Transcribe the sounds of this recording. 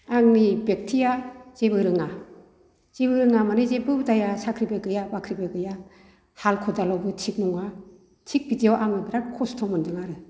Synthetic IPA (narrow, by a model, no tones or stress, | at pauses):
aŋnibek̚tʰijaz̥ebɯɾɯŋa | z̥ebɯɾɯŋamanizebɯdajasakʰɾibeɡɯjabakʰɾibeɡɯja | halkʰɔdalawbɯtʰik̚nɔŋa | tʰik̚bidiawʔaŋnɯbiɾakʰɔstʰɔmɔndɯŋaɾɯ